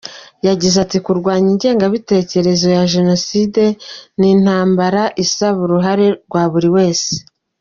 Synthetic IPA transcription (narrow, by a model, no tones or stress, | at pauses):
jaɟizatikuɾɡwaːɲiɲɟe̞ːŋɡaβite̞ːce̞ɾe̞zo̞jaʒe̞no̞side̞nin̥aːmbaɾaʔisaβuɾuɦaɾe̞ɾɡwaːβuɾiwe̞ːse̥